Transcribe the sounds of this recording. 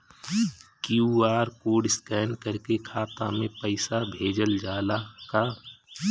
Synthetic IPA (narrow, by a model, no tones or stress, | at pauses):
kjuaːɾkoːɖɪskɛːnkəɾkekʰaːt̪a̰mẽpəɪsabʱeːd͡ʒəld͡ʒaːlakaː